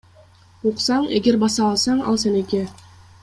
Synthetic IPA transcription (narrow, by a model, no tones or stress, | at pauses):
uqsɑɴḛɡʲeɾbɑsɑːlˠsɑɴɑ̰lˠsenekʲe